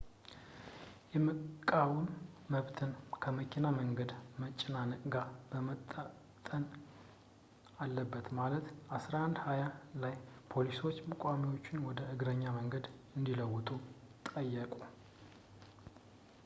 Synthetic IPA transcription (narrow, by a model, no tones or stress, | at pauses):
jɛmɨkʼːawumːəβt̪ʰɨnkʰəməkʰinaməŋɡəd̪mət͡ʃʼːɪnanəkʼɡabəmət̪ʼːa | t̪ʼːən | alːəbːət̪malət̪ʔasɾahand̪hajalajpʰo̞liso̞t͡ʃːmɨkʼamiwo̞t͡ʃːɪnwɔd̪əʔɨɡɾəɲːaməŋɡəd̪ɨnd̪iləwːʊt̪ʼut̪ʼəjːəkʼu